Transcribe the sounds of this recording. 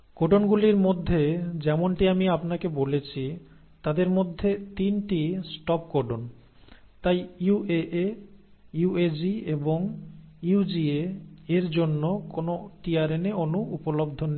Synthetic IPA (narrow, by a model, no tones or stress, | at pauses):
koɖonɡuliɾmod̪ʱːed͡ʑɛmoɳʈiamiapnakebolet͡ɕʰi | t̪ad̪eɾmod̪ʱːet̪inʈisʈɔp̚koɖon | t̪ajueʔe | ued͡ʑieboŋiud͡ʑieeɾd͡ʑonːokonoʈiaɾeneonuupolobd̪ʱone